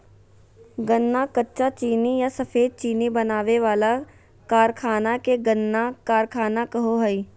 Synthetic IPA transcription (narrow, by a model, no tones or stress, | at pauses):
ɡənːakɐtːʃat͡ʃiːnijasɐfʰeːd̪̚t͡ʃiːnibɐnaːʋeʋaːla | kaːɾkʰaːnakeɡənːakaːɾkʰaːnakɐɦoɦəi